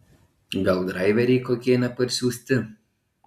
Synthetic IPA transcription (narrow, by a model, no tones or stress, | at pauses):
ɡɐlˠd̪ɾɑɪʋʲɛɾʲɛɪkoːkʲiɛnʲɛpɐɾʲsʲuːsʲt̪ʲɪ